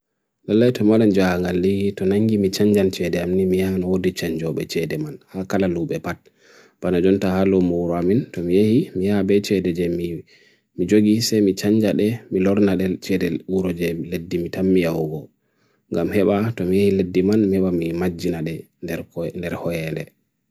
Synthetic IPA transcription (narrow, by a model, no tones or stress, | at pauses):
dalːajtɔmaland͡ʒaaŋɡalːitɔnaŋɡimit͡ʃaɲd͡ʒant͡ʃɛdɛamnimijanɔwodit͡ʃaɲd͡ʒɔɓɛ̰t͡ʃɛdɛmanhakalaluɓɛpat̚ | b̥anad͡ʒɔntahalɔmuɾɔamintɔmijahimihabɛt͡ʃɛdɛd͡ʒɛmi | mid͡ʒoɡisɛmit͡ʃaɲd͡ʒaɗɛmilɔɾnaɗɛt͡ʃɛdɛuɾɔd͡ʒɛledːimitamːijawɡɔ | ŋɡamhɛɓatɔmijehiledːimanmihɛɓamimad͡ʒːinaɗɛ | ndɛɾhɔjɛnɛ̰